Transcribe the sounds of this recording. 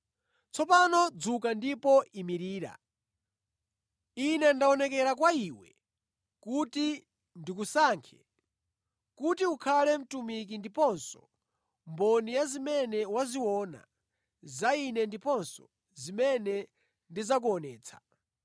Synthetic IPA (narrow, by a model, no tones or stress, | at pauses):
t͡sʰɔpanɔd͡zukandipɔʔimiɾiːɾa̰ | inɛndaɔnɛkɛɾakwaiwɛ̰ | kuti | ndikusaːŋkʰɛ̥̰ | kutiukʰalɛm̩tumik̬indipɔnsɔ̥ | mbɔnijazimɛnɛwaziwɔːna̰ | zainɛndipɔnsɔ | zimɛnɛ | ndizak̬uɔnɛːt͡sʰḁ